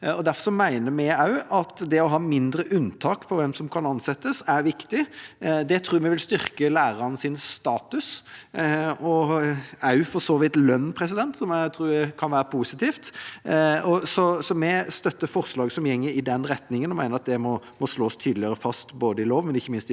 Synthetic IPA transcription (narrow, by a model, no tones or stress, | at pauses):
ɔd̪æɾfɔsɔmæɪnəmɛɑʉɑt̪d̪ɛɔɦɑːmɪnd̪ɾəʔʉnt̪ʰɑːkpʰɔʋɛmsɔmkʰɑnɑnsɛt̪ːəsæɾʋɪkt̪ɪd̪ɛt̪ʰɾuːɾmɛʋɪlst̪ʏɾkəlæːɾɑɾnəsɪnst̪ɑːt̪ʉs | ɔ | ɑʉfɔɾsɔːʋɪːt̪lœnːpʰɾɛsɪd̪ɛnt̪sɔmæt̪ʰɾuːækʰɑnʋæːɾəpʰusɪt̪ʰiːft̪ | ɔsɔsɔmɛst̪œt̪ːəɾfɔɾslɑːɡsɔmjɛŋːəɪd̪ɛnɾɛt̪nɪŋənɔmæɪəɾɑt̪̚d̪ɛmɔmɔsloːst̪ʰyːd̪lɪəɾəfɑst̪boːd̪əɪloːʋmɛnɪçːəmɪnst̪ɪ